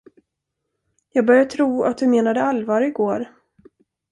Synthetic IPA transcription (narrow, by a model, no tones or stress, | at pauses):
jɑːɡ̚bœɾjat̪ʰɾuːa̰t̪̚d̪ɵmeːnad̪əalvɑːɾɪɡoːɾ